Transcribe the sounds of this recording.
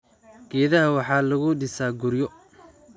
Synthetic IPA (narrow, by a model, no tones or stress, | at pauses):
ɡ̥ɛːðɐɦɐwɑħɑːlɐɣʊɖɪsaːɡʊɾjɔ